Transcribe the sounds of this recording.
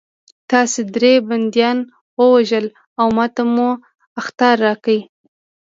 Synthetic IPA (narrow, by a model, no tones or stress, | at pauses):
t̪ɑsed̪ɾeband̪jɑn | wəwaʒəl | awmɑt̪amu | axt̪ɑɾːɑkəj